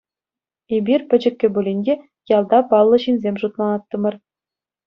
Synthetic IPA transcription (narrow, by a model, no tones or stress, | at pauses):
ebʲirʲpʲɘ̆d͡ʑɘ̆kʲːɘ̆bulʲinʲdʲe | jɑlˠd̪ɑpɑlˠːɤ̆ɕinʲzʲemʲʐut̪mˠɑnɑt̪ːɤ̆mɤ̆r